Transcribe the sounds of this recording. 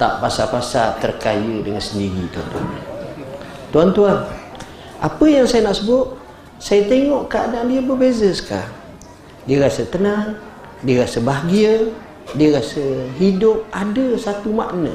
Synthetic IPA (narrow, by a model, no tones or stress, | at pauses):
t̪a̰ʔpasapasat̪ərkajədəŋansəndiɾit̪uant̪ua̰na | t̪uant̪uan | apəjaŋsajənaʔsəbʊt̪̚ | sajət̪eŋɔʔkaa̰dandiəbərbezəsə̥ka̰ | diəɾasət̪ənaŋ | diəɾasəbaɦɡiə | diəɾasəɦidʊp̚adəsat̪umaʔnə̰